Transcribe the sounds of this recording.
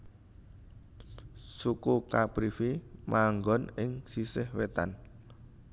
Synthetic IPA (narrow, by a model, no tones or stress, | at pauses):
sukukapɾifimʔaŋɡɔnɪŋsisɪhwet̪a̰n